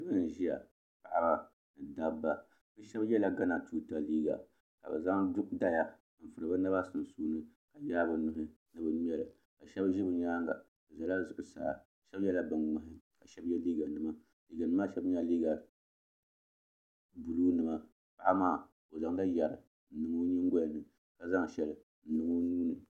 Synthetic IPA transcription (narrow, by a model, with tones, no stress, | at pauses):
ɨ˦bɨ˦n˨ʒi˦ja̰˨ | pa˨ʔa˦ba˨ | nɨ˨da˦bːa˦ | bɨ˦ʃɛ˦bjɛ˦la˦ɡa˦na˨tuː˦ta˨liː˦ɡa̰˨ | ka̰˨bɨ̰˨za˦ŋdʊ˦kda˦ja˨ | m̩˨fɨ˨ɾɨ˨ba˦na˦ba˦sɨ˨n˨suː˦nɨ˦ka˨jaː˦bɨ˨nʊ˨ɦɪ˦ | nɨ˦bɨ˨˦m˦ɛ˦lɨ˨ | ka˨ʃɛ˦bʒi˦bɨ˦ɲaː˦ŋɡa̰˨ | bɨ˨za˨la˦˨zʊ˨ʔʊ˨sa̰˨a̰˨ʃɛ˦bjɛ˦la˦bɨ˨nŋ͡ma˨ɦɪ˦ka˨ʃɛ˦bjɛ˦liː˦ɡa˨nɨ˨ma˦ | liː˨˦ɡa˨nɨ˦ma˦ʃɛ˦bɲa˦liː˦ɡa˨ | bu˨luː˦nɨ˨ma˨ | pa˦a˦maː˦˨ | o˨za˨ŋla˦ja˨ɾɨ˨ | n̩˨nɨ˨ŋo˦ɲi˦ŋ˦ɡɔ˦ja˨nɨ˨ | ka˨za˦ŋ˨ʃɛ˨lɨ˨ | n̩˨nɨ˨ŋo˦nuː˦nɨ˨